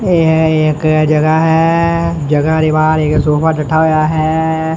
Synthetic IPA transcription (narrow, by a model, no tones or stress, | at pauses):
eːeːkd͡ʒɐɡəɦɛ | d͡ʒɐɡaɾebaːɾeːksoːfat͡ʃɐʈʰaɦojaɦɛː